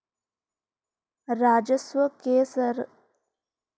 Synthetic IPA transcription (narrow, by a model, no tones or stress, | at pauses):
ɾaːd͡ʒəswəkeːsəɾ